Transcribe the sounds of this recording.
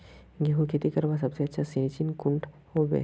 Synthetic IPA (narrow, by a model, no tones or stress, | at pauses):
ɡeɦũkʰet̪ikɐɾʋas̬ɐbseɐtːʃʰasint͡ʃinkʊ̃ɳʈ | hobḛː